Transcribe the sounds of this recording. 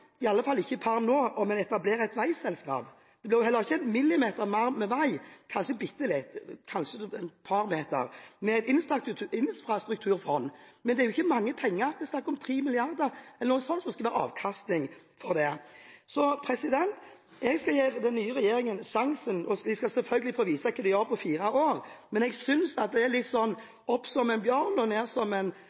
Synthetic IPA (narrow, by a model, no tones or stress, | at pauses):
ɪɑlːəfɑlːɪçːəpʰɑɾnnoːʔɔmɛnɛt̪ɑbleːɾəɛt̪ʋæɪsɛlskɑ̰ːp | d̪̥ɛb̪ɪʁjʊhɛlːəʁɪçːəmɪlːɪmeːt̪əɾmɑɾmːɛʋæɪkʰɑnʃəbɪt̪ːəlɪt̪kʰɑnʃəɛnpʰɑɾmeːt̪ə̰ɾmɛæɪt̪ɪnsɾɑt̪t̪ʰʉɪnfɾɑst̪ɾʉk̚t̪ʰʉːɾfɔnːmɛnd̪ɛæɾjʊɪçːəmɑŋːəpʰɛŋːəɾd̪ɛsnɑkːɾɔmt̪ʰʁiːmɪlɪɑʁd̪əɾɛlːənuːəsɔnsmɛskɑʋæːɾəɑ̰ːʋkʰɑst̪nɪŋ | fɔɾd̪ɛsɔpʰɾɛsɪd̪ɛnt̪ | ɛɡskɑjeːɾd̪ɛnːyːəɾɛjeːɾɪŋənsɑŋsənɔʋɪskɑsɛlfœlɡəlɪfoːʋiːsɑkʰːɛd̪ɛjœɾpʰɔfiːɾɑoːʁmɛnɛɡsʏnsɑt̪̚d̪ɛæɾlɪt̪ːsɔnː | ɔpsɔmɛnbjœɾnɔneːʁsɔmɛn